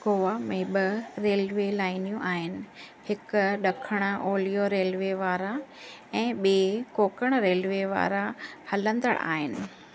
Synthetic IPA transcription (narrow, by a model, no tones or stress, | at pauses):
ɡoːʋamẽːɓɐɾeːlʋelaːɪnijũʔaːɦɪnɪ̆ | hɪkʊɗɐkʰəɽ̃ə̆oːlijoɾeːlʋeʋaːɾa | ɛ̃ːɓeːkoːkəɽ̃ɾeːlʋeʋa̰ːɾahɐlə̃nd̪ə̰ɽ̃a̰ːɦɪnɪ̆